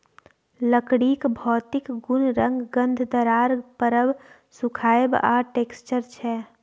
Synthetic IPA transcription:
ləkɽiːkbʱɔːt̪ɪkɡʊnɾə̃ŋɡɡə̃nd̪ʱd̪əɾaːɾpəɾəb | sʊkʰaːjba̰ːʈeːkst͡ʃəɾt͡ʃʰɛː

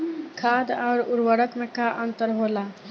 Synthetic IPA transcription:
kʰad̪aːɾuɾwəɾɽəkmẽkaʔənt̪əɾɦola

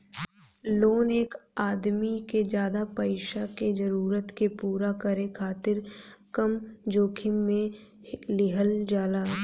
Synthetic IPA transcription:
loːneːkaːd̪miked͡ʒjaːd̪apəɪʃaked͡ʒəɾuːɾət̪kepuːɾakəɾẽkʰaːt̪ɪɾkəmd͡ʒoːkʰɪmmẽ | lɪɦəld͡ʒaːlaː

